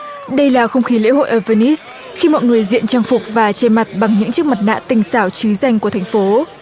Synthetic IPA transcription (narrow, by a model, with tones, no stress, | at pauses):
ɗə˧jlaː˨˩xə˧wŋ͡mxi˨˦lḛ˧˥ho̰˧˨jʔəː˧˩vəː˧ni˦˥s | xi˧mɔ̰˧˨jŋɨ˨˩əjzḭ˧˨ənt͡ɕaː˧ŋfʊ˨˩k͡p̚vaː˨˩t͡ɕe˧ma˨˩t̚ɓa˨˩ŋɲɨ̰˧˥ŋt͡ɕɨ˦˥ək̚mə˨˩t̚na̰ː˧˨t̪ï˨˩ŋ̟saː˧˩wt͡ɕɨ˨˦za˧jŋku˧˩ət̪ʰa˨˩ŋ̟fo˨˦